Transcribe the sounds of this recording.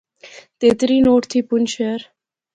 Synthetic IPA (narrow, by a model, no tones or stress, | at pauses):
t̪eːt̪ɾiːnoːʈt̪ʰiːpʊnʃeɾ